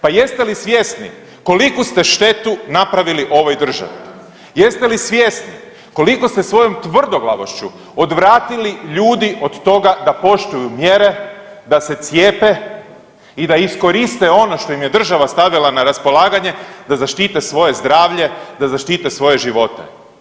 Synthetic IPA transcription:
paje̞st̪e̞lisʋʲjesnḭ | ko̞likust̪e̞ʃt̪e̞t̪unapɾaʋiliʔo̞ʋojd̪r̩ʒa̰ʋi | jest̪e̞lisʋje̞sni | ko̞liko̞st̪esʋo̞jo̞mt̪ʋr̩d̪o̞ɡlˠa̰ʋoʃt͡ɕu | o̞d̪ʋɾaːt̪iliʎuːd̪iʔo̞d̪t̪o̞ɡad̪apo̞ʃt̪ujumjeɾe̞ | d̪ase̞t̪sjeːpe̞ | id̪aisko̞ɾist̪e̞o̞no̞ʃt̪o̞imjed̪r̩ʒaʋast̪aʋilˠanaɾaspo̞lˠaːɡaɲe̞d̪azaʃt̪it̪esʋo̞je̞zd̪ɾaːʋʎe̞d̪azaʃt̪iːt̪esʋo̞je̞ʒiʋo̞t̪e̞̰

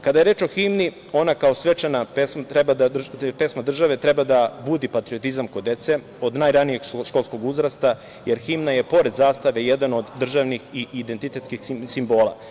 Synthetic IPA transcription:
kad̪aje̞ɾeːt͡ʃo̞ximni | o̞nakao̞sʋet͡ʃanapesmat̪ɾebad̪ape̞smad̪r̩ʒaʋe̞t̪ɾebad̪abud̪ipat̪ɾiot̪izamkod̪ːe̞t̪se | o̞d̪naːjɾanije̞ɡʃko̞lˠsko̞ɡuzɾast̪a | jeɾximnaje̞po̞ɾe̞d̪zaːst̪aʋe̞jed̪ano̞d̪ːr̩ʒaʋnixiid̪ent̪it̪e̞t̪skixisimbo̞ːlˠa̰

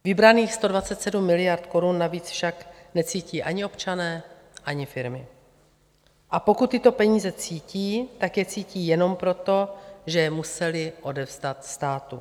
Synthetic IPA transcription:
vɪbɾaniːxst̪o̞dvat͡sɛt̪sɛdumːɪlɪjaɾt̪ko̞ɾunːaviːt͡sfʃaknɛt͡siːciːʔaɲɪo̞pt͡ʃanɛː | ʔaɲɪfɪɾmɪ | ʔapo̞kut̪ːɪt̪o̞pɛɲiːzɛt͡siːciːt̪akjɛt͡siːciːjɛno̞mpɾo̞t̪o̞ʒɛjɛmusɛlɪʔo̞dɛvzd̪at̪st̪aːt̪u

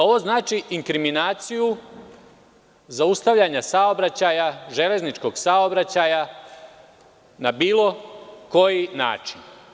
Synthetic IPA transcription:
o̞ʋo̞znaːt͡ʃiʔiŋkɾiminaːt̪siju | zaust̪aʋʎʲaɲasaobɾat͡ɕajaʒe̞le̞znit͡ʃko̞ɡsaobɾat͡ɕaja | nabiːlˠo̞ko̞jina̰ːt͡ʃin

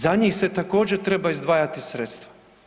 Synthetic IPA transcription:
zaɲixse̞t̪ako̞ːd͡ʑeɾt̪ɾe̞baizd̪ʋaːjat̪isɾeːt̪st̪ʋa

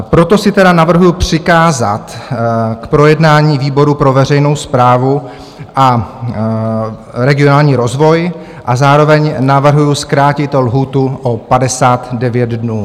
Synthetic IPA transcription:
pɾo̞t̪o̞sɪt̪ɛdanavr̩ɦujupr̥ɪkaːza̰t̪kpɾo̞jɛdnaːɲiːviːbo̞ɾupɾo̞vɛrɛjnowspɾaːvu | ʔa | ɾɛɡɪo̞naːlɲiːɾo̞zvo̞j | ʔazaːɾo̞vɛɲnavr̩ɦujuskɾaːcɪt̪olɦuːt̪uʔopadɛsaːt̪dɛvjɛd̪dnuː

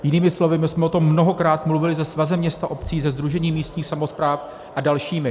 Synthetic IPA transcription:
jɪniːmɪslo̞vɪmɪsmɛʔo̞t̪o̞mːnoɦo̞kɾaːt̪mluvɪlɪzɛsvazɛmɲɛst̪aʔo̞pt͡siːzɛzd̪ɾuʒɛɲiːmiːst̪ɲiːxsamo̞spɾaːf | ʔadalʃiːmɪ

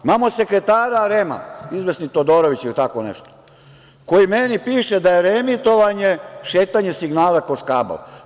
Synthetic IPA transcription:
imamose̞kɾet̪aːɾaɾema̰izʋesnit̪od̪oɾoʋit͡ɕilit̪akonḛʃt̪o̥ | kojimenipiːʃed̪ajeɾemit̪o̞ʋaɲeʃeːt̪aɲesiɡnaːlakoskaːba̰l

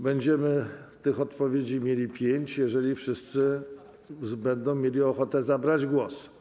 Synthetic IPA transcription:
bɛɲd͡ʑɛmɘt̪ɘxɔt̪pɔvʲjed͡ʑimʲjelʲipʲjeɲt͡ɕjɛʐɛlʲifʂɘst̪sɘ | bɛnd̪ɔ̃w̃mʲjelʲiɔxɔt̪ɛzabɾad͡ʑɡwɔs

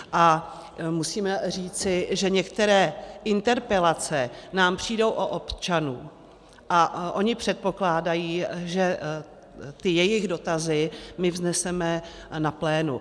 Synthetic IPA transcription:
ʔa | musiːmɛr̝iːt͡sɪʒɛɲɛkt̪ɛɾɛːʔɪnt̪ɛɾpɛlat͡sɛnaːmpr̝̥iːdo̞wʔoʔopt͡ʃanuː | ʔaʔo̞ɲɪpr̝̥ɛt̪̚po̞klaːdajiːʒɛ | t̪ɪjɛjɪɣdo̞t̪azɪmɪvznɛsɛmɛ | naplɛːnṵ

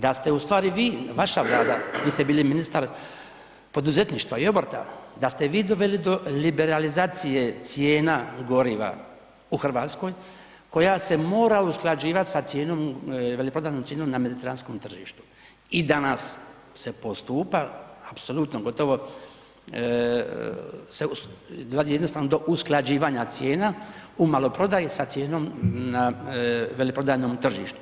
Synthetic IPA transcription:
d̪ast̪e̞ust̪ʋaːɾiʋiːʋaʃaʋlˠaːd̪aʋiːst̪ebiːliminist̪aɾ | po̞d̪uze̞t̪niʃt̪ʋaio̞boɾt̪a̰d̪ast̪e̞ʋiːd̪o̞ʋe̞lid̪o̞libe̞ɾalizaːt̪sije̞t̪sijeːnaɡo̞ɾiʋa̰ | uxr̩ʋaːt̪sko̞j | ko̞jase̞mo̞ːɾausklˠad͡ʒiːʋat̪sat̪sje̞ːnomʋelipɾod̪aːnomt̪jenomname̞d̪it̪e̞ɾansko̞mt̪r̩ʒḭːʃt̪u̥ | id̪anas | se̞po̞st̪uːpaapso̞lut̪noɡo̞t̪o̞ʋo̞ | sed̪o̞lazijed̪nost̪aʋnod̪o̞ʔusklˠad͡ʑiːʋaɲat̪sje̞ːnaumalo̞pɾo̞d̪ajesat̪sje̞ːno̞mna | ʋe̞lipɾo̞d̪aːnoːmt̪r̩ʒiːʃt̪u̥

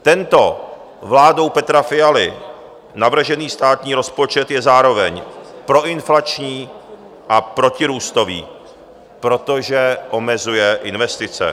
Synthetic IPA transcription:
t̪ɛnt̪o̞ | vlaːdo̞wpɛt̪ɾafɪalɪ | navr̩ʒɛniːst̪aːt̪ɲiːɾo̞spo̞t͡ʃɛt̪jɛzaːɾo̞vɛɲpɾo̞ʔɪnflat͡ʃɲiː | ʔapɾo̞cɪɾuːst̪o̞vḭː | pɾo̞t̪o̞ʒɛʔo̞mɛzujɛʔɪnvɛst̪ɪt͡sɛ̰

